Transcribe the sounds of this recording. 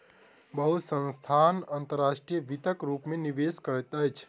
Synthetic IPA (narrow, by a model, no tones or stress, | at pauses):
bəɦut̪sə̃nst̪ʰaːnant̪əɾːaːʃʈɾijəʋit̪əkɾuːpmẽniʋeːskəɾət̪əjt͡ʃʰ